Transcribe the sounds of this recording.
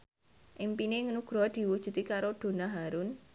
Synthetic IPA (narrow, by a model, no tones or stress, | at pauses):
ʔimpineŋənuɡ̥ɾɔd̪̥i̤wud̥ʒ̥ṳt̪ikaɾod̪̥o̤naɦaɾun